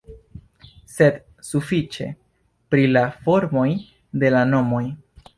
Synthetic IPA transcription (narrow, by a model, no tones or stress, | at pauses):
se̞d | sufit͡ʃe̞̰ | pɾilafo̞ɾmo̞j | de̞lano̞mo̞j